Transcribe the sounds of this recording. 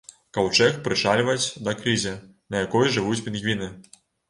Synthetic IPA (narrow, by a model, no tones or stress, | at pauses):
kɐwt͡ʂɛxpɾɨʂalʲvɐt͡sʲd̪ɐkɾɨzʲɛ | nɐjakɔjʐɨvut͡sʲpʲinɣvʲinɨ